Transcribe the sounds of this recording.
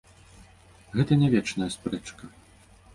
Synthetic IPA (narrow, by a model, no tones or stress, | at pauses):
ɣɛt̪ɐnʲavʲɛt͡ʂnɐjɐspɾɛt͡ʂkɐ